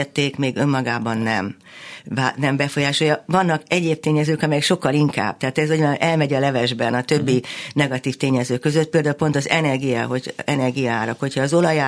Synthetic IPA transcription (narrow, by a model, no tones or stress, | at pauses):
ɛt̪ːeːkmeːɡø̞mːɒɡaːbɒnːɛm | vanɛmbɛfo̞jaːʃo̞jɒvɒnːɒkɛɟeːp̚t̪eːɲɛzøːkɒmɛjɛkʃo̞kːɒliŋka̰ːb̥̚t̪ɛɦaːt̪ɛzoɟʔɛlmɛɟɒlɛvɛʒbɛnɒt̪ø̞bːinɛɡɒt̪iːft̪eːɲɛzøːkːø̞zø̞t̪̚peːld̪aːulpo̞nt̪ɒzɛnɛrɡijaɦocɛnɛrɡijɒaːɾɒkho̞chɒːzo̞lɒja